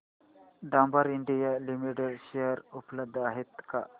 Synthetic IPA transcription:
ɖãmbaɾiɳɖijalimiʈeɖʃejəɾupləb̚d̪ʱːəaɦet̪ka

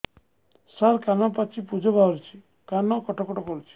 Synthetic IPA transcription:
saɾkanɔpat͡ʃʰipud͡ʒɔbaɾut͡ʃʰi̥ | kanɔkɔʈɔkɔʈɔkɔɾut͡ʃʰi̥

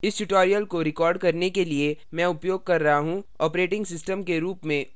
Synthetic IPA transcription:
ɪsʈuʈɔːɾijəlkoɾɪkɔːɾɖkɐɾnekeliemɛ̃ʊpjoːɡ̚kɐɾːɐɦaɦũɔːpɾeːʈɪ̃ŋɡsɪsʈəmkeɾuːpmẽ

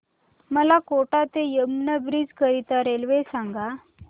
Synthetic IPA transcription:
məlakoʈat̪ejəmnəbɾid͡zkəɾit̪aɾelʋesaŋɡa

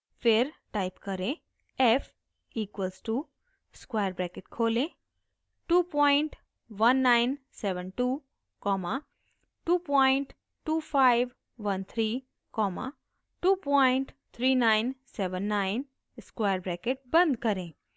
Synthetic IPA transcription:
fʰeɾʈajpkəɾẽ | ɛf | iːkʋəlsʈu | skwajəɾbɾɛkeʈkʰoːlẽ | ʈuːpɔjɪɳʈ | ʋənːaɪn | sɛʋə̃nʈu | kɔma | ʈuːpɔɪɳʈ | ʈːuːpʰaɪʋ | ʋənt̪ʰɾiː | kɔma̰ | ʈuːpɔɪɳʈ | t̪ʰɾiːnaɪnseʋə̃nːaɪn | skwajəɾbɾɛkeʈ̚bə̃nd̪ʱkəɾẽ

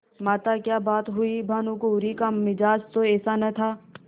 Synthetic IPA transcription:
maːt̪akjaːbaːt̪ɦʊibʱaːnukoːɾikamɪd͡ʒaːd͡ʒt̪oɛːsanɐt̪ʰaː

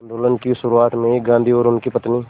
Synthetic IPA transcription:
ɐnd̪oːlənkiʃʊɾuaːt̪mẽkɡãːnd̪ʱiɔːɾʊnkipət̪niː

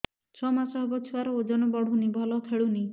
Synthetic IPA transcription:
t͡ʃʰɔmasɔɦɔbɔt͡ʃʰuaɾɔod͡ʒɔnɔbɔɽ̤ʱunibʱɔlɔt̪ʰeɭuni

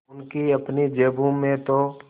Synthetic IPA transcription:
ʊnkiɐpnid͡ʒeːbʱũmẽt̪o

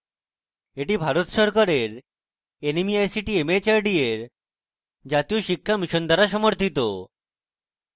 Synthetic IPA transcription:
eʈibʱaɾot̪ʃɔɾkaɾeɾ | enemiajsiʈiemet͡ɕaɾɖieɾ | d͡ʑat̪ijoʃikʰːamiʃond̪ʱaɾaʃɔmoɾt̪ʰit̪o

